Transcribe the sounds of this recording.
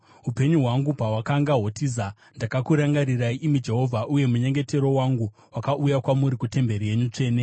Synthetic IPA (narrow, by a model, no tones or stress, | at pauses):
ɦupe̞ɲuɦwaŋɡupawakaŋɡaɦotiza | ndakakuɾaŋɡaɾiraiʔimid͡ʒe̞ɦo̞vʱaʔuje̞muɲe̞ŋɡe̞te̞ɾo̞waŋɡu | wakaʔujakwamuɾikute̞mbe̞ɾije̞ɲut͡ʂe̞ːne̞